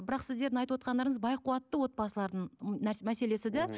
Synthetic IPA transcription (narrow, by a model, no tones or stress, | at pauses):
bɪɾɑqsɪzd̪eɾd̪ɪŋɑjt̪əwot̪̚qɑnd̪ɑɾəɴəzbɑjqʰuɑt̪ːəwo̞t̪̚bɑsəlˠɑɾd̪əɴnæmæse̞le̞sɪd̪æ